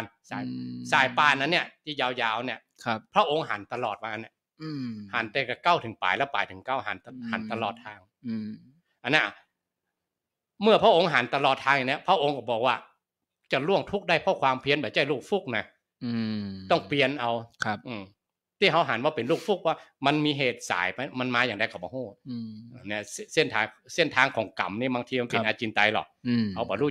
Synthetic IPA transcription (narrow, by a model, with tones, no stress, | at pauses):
a˧nsaː˨˩jsaː˨˩jpaː˧˩nʔa˧nːi˧˥˩ət̪ʰiː˧˩jaː˨˧wjaː˧˩wni˧˥˩əkʰp̚pʰɾɔ˦˥ʔo˧ŋɦa̰ː˨˩˦nt̪a˧lɔː˨˩t̪̚maː˧ʔa˧nːa˧˥˩ | ha̰˨˩˦nt̪ɛː˧˩ka˧˩ka˥˩wt̪ʰɯ˨˩˦ŋpa̰ː˨˦jlɛː˦˥˩wpa̰ː˨˩jt̪ʰɯ˨˩˦ŋka˥˩wɦa̰ː˨˩˦n˧haː˨˩˦nt̪a˧lɔː˨˩t̪̚ʰːaː˧˥ŋ | ʔa˧nːa˧˩ʔ | mɯ˥˩ɐpʰɾa˦˥˩ʔo˧˥ŋɦa˨˩˦nt̪a˧lɔː˨˩t̪ʰːaː˧ŋja˨˦ni˦˥˨pʰɾa˧˥ʔo˧ŋkɔ˧˩bɔː˨˩k̚waː˧˩ | t͡ɕa˨˩lu˧˥˩əŋt̪ʰu˦˥k̚daː˥˩jpʰɔ˦˥kʰwaː˧mpʰi˧ənba˨˧˩jt͡ɕa˧˩jluː˥˩k̚fu˦˥˩k̚na˧˩˧ | t̪ɔ˥˩ŋpli˧ənʔa˧wʰʔɯː˧˩ | t̪ʰiː˧˥˩ɦa˧wɦaː˩˦nwaː˧pe˨nluː˥˩k̚fu˦˥˩k̚waː˧˥˩ma˧nmiː˧ɦeː˨˩t̪̚sa̰ː˨˦jpa˧jma˧nmaː˧jaː˨˩ŋda˧kʰa˨˩bɔː˨˦huː˥˩ʔːni˧˩˨sse˥˩nt̪ʰaː˧ŋse˥˩nt̪ʰaː˧ŋkʰɔː˨˦ŋka̰˨˦mniː˧˩baː˧ŋt̪ʰiː˧a˧npe˨˧˨ʔaː˧t͡ɕiː˧˦nt̪a˧jlɔ̰˨˩k̚ha˧wbɔː˨˦ɾuː˥˩